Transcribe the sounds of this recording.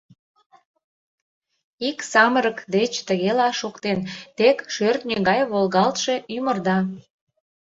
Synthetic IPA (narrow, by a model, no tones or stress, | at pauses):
iksɑməɾəkd̪et͡ɕt̪əɣelɑʃokt̪ent̪ekʃørt̪nʲeɣɑjβolɣɑlt̪ʃe̽ʔymərd̪ɑ